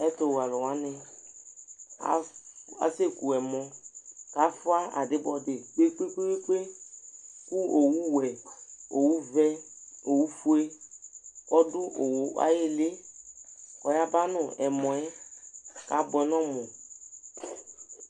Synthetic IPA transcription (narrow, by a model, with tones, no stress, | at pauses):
ɛ˦to˨wa˨lɔ˨wa˦nɪ˧ | a̰˨a̰˨se˦ku˨ɛ˨mɔ˨ka˨˦fʊ˦a˦a̰˨dɪ˨˦bɔ˨dɪ˨k͡pe˦k͡pe˦k͡pe˦e˦k͡pe˦ | ku˦o˨wu˦wɛ˨o˨wu˦vɛ˦ | o˨wu˦fu˦e˦ | ɔ˦dʊ˦o˨wo˨a̰˦je˦lɪ˦ | kɔ˨ja˦ba˦nʊ˨ɛ˨mɔ̃˨ɛ˦ | ka˨˦bʊ˨ɛ˨˦nɔ˦mɔ˨